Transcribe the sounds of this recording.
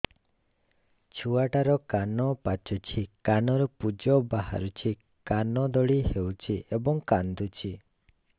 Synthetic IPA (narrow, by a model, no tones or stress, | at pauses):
t͡ʃʰuaʈaɾɔkanɔpat͡ʃut͡ʃʰikanɔɾɔpud͡ʒɔbaɦa̰ɾut͡ʃʰi | kanɔd̪ɔɽihewt͡ʃʰiebɔŋkand̪ut͡ʃʰi